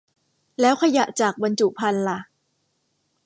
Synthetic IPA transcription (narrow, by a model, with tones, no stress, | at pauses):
lɛː˦˥wkʰa˧ja˨˩ʔt͡ɕaː˨˩k̚ba˧nt͡ɕu˨˩pʰa˧nla˨˩